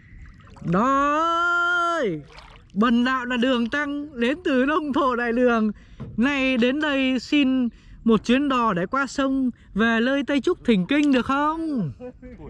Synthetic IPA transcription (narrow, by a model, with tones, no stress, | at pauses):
ɗɔ˨˦ | j | ɓə˨˩nɗa̰ː˧˨wlaː˨˩ɗɨ˨˩əŋt̪a˧ŋle˨˦nt̪ɨ˨˩ɗə˧wŋ͡mt̪ʰo̰˧˨ɗa̰ː˧˨jɗɨ˨˩əŋ | na˧jɗe˨˦nɗə˧jsi˧n | mo˨˩t̚t͡ɕwi˨˦ənɗɔ˨˩ɗḛ˧˥˩kwaː˧sə˧wŋ͡m | ve˨˩ləː˧jt̪ə˧jt͡ɕʊ˦˥k͡p̚t̪ʰï˨˩ŋ̟kï˧ŋ̟ɗɨ˨˩ək̚xə˧wŋ͡m